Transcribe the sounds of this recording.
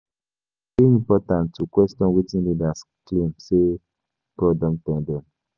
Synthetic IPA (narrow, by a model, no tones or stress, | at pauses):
eĩmpɔtãntːukwɛstɔ̃nwitĩnlidas | klẽmse | kɔdɔ̃mtɛ̃ndɛ̃m